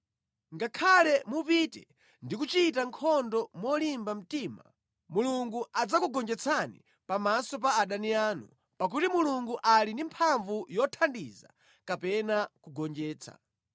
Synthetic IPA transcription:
ŋɡakʰalɛmupitɛ̰ | ndikut͡ʃitaŋkʰɔndɔmɔlimbam̩tiːma̰ | muluŋɡuad͡zakuɡɔnd͡ʒɛt͡sʰanḭ | pamasɔp̬aːɗaniaːnṵ | pak̬utimuluŋɡuʔalindimpʰaɱvujɔtʰandiza̰ | kapɛnakuɡɔnd͡ʒɛːt͡sʰa̰

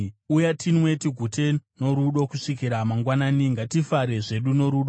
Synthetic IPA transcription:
ujatʰinwe̞tiɡʱuteno̞ɾuɗo̞kuʂikiɾamaŋɡwanaːniŋɡatifaɾe̞ʐe̞ɗuno̞ɾuːɗo

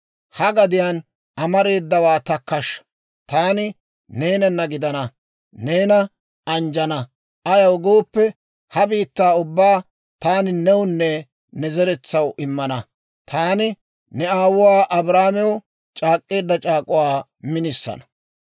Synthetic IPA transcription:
hɐɡɐd̪ɪjaːn | ɐmɐɾe̞ːd̪ːɐwaːt̪ɐkːɐʃːɐ̥ | t̪aːnɪ | neːnɐnːɐɡɪd̪ɐnɐ | ne̞ːnɐ | ɐnd͡ʒɐnɐ | ɐjɐwɡo̞ːpːɛ | hɐbiːt̪ːaːʊbːaː | t̪aːnɪnɛwʊnːɛ | nɛzɛɾɛt͡sːɐwʔɪmːɐnɐ | t̪ʰaːnɪ | nɛaːwʊwaːʔɐbɾaːmɛwʊ | t͡ʃʼaːkʼːe̞ːd̪ːɐt͡ʃʼaːkʼʊwaː | mɪnɪsːɐ̰nɐ̥

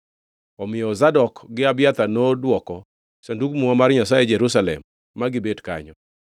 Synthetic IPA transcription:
ɔmɪjɔzadɔkɡɪabjat̪anodwɔkɔ | sendukmuŋamarɲasajɛd͡ʒɛɾusalɛ̰mː | aɡɪbedka̰ɲɔ

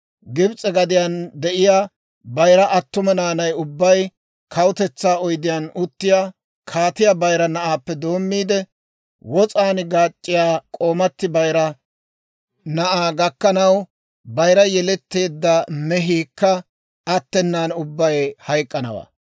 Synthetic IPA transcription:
ɡɪbt͡sʼɛɡɐd̪ɪjand̪ɛʔɪjaː | bɐjɾɐʔɐt̪ːʊmɐnaːnɐjʊbːɐj | kʰɐwʊt̪ɛt͡sːaːɔjd̪ɪjɐnʊt̪ːɪjaː | kʰaːt̪ɪjabɐjɾɐnɐʔaːpːɛd̪o̞ːmːiːd̪ɛ | wɔt͡sʼaːnɡaːt͡ʃʼːɪjaːkʼo̞ːmɐt̪ːɪbɐjɾɐ | nɐʔaːɡɐkːɐnɐw | bɐjɾɐjɛlɛt̪ːe̞ːd̪ːɐmɛɦiːkːɐː | t̪ːɛnːaːnʊbːɐjhɐjkʼːɐnɐ̰wa̰ː

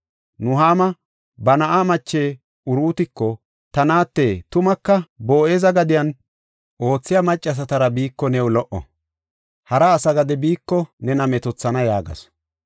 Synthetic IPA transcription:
nʊɦaːmɐ | bɐnɐʔaːmɐt͡ʃːeː | ʊɾuːt̪ɪkːɔ | t̪ɐnaːt̪ːeːt̪ʊmɐkːɐboːʔeːzɐɡɐd̪ɪjɐn | ʔo̞ːt͡sːɪjɐmɐt͡ʃʼːɐs̬ɐt̪ɐɾɐbiːkːɔnɛwʊlɔʔɔ̰ | hɐɾɐːsɐɡɐd̪ɛbiːkːɔnɛnɐmɛt̪ɔt͡sːɐnɐjaːɡɐ̰s

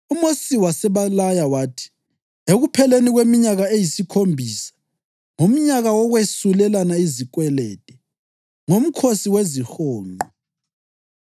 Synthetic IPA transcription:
umosiwasɛβalajawaːtʰi̥ | eɣupʰɛleniɣwemiɲaɣaejisikʰombʱiːsḁ | ŋom̩ɲaɣawɔɣwesulɛlanaizik̬ʼwɛlɛ̰ːtʼɛ | ŋom̩kʰosiwezixoːŋɔ

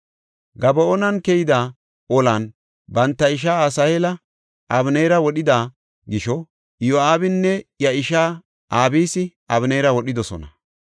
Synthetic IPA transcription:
ɡɐbɐonɐnkɛjɪd̪aː | ɔlɐn | bɐnt̪ːɐɪʃ̬aːɐsɐjelɐ | ʔɐbnejɾɐwɔɗɪd̪aː | ɡɪʃɔ | joaːbɪnːɛjɐɪʃaː | ʔaːbiːsɪ | ɐβnejɾɐwɔɗɪd̪ɔsɔ̰nɐ

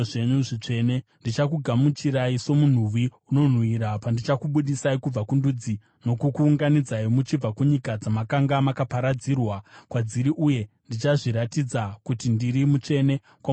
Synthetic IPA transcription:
ʐeɲuʐit͡ʂe̞ne̞ndit͡ʃak̬uɡʱamut͡ʃiɾaiso̞mun̤uʋiuno̞n̤wiɾapandit͡ʃakuɓuɗisaikub͡vakundud͡zi | no̞kukuːŋɡanid͡zaimut͡ʃib͡vakuɲikad͡zamakaŋɡamakapaɾad͡zirwakwad͡ziɾiʔuje̞ | ndit͡ʃaʐiɾatid͡zakutindiɾimut͡ʂe̞ne̞ | kwa

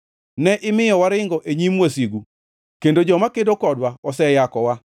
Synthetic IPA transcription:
nɛʔɪmɪjɔwaɾɪŋɡɔʔeɲimwasiɡu | kendod͡ʒɔmakedokɔdwaɔsɛjakɔwa

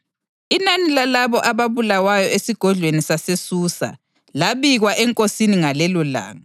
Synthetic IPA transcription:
inanilalaβɔʔaβaβulawajɔesiɡ̥ʱɔɮʱwenisasesuːsa̰ | laβiɣwaʔɛŋkʼosiniŋalɛlɔla̰ːŋa

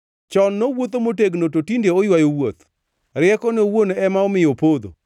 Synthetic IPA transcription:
t͡ʃɔnːowot̪omoteɡnototindeojwajowot̪ | ɾɪɛkɔnewonɛmaɔmɪjopod̪o̰

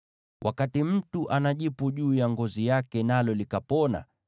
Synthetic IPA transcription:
wʔa̰katim̩tuʔanaʄipuʄuːjaŋɡɔzijakɛnalɔlikapɔna̰

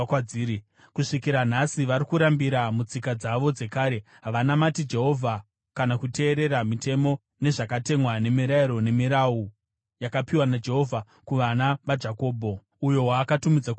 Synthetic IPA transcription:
kaiːi | kuʂikiɾan̤asiʋaɾikuɾambiɾamut͡sikad͡zaʋo̞d͡ze̞kaːɾe̞ | ɦaʋanamatid͡ʒe̞ɦo̞vʱa | kanakute̞ːɾe̞ɾamite̞mo̞ | ne̞ʐakate̞mwane̞miɾaiɾo̞ne̞miɾau | jakapiwanad͡ʒe̞ɦo̞vʱa | kuʋanaʋad͡ʒako̞ːbʱo̞ | ujo̞waːkatumid͡zak

